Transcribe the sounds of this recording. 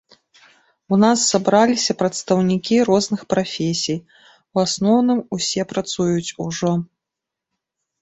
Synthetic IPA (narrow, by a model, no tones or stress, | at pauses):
unasːabɾalʲisʲɐpɾɐt̪st̪ɐwnʲikʲiɾɔznɨxpɾafʲesʲij | wasnɔwnɨmusʲɛpɾat̪sujut͡sʲuʐɔ